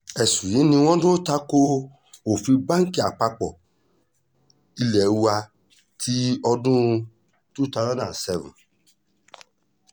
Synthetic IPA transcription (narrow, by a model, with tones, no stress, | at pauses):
ɛ˨sũ˨jĩ˨˦nĩ˧w̃ɔ̃˦dũ˦o˦ta˦ko˦ | o˨fi˧bã˦ŋ˦ki˨a˨k͡pa˧k͡pɔ̰˨ | i˧lɛ˨˦wu˦a˧ | tʰi˦ɔ˧dũ˦˧ | tu˦˨ta˧˦zɔ̃˦nã˨sɛ˧vṵ̃˨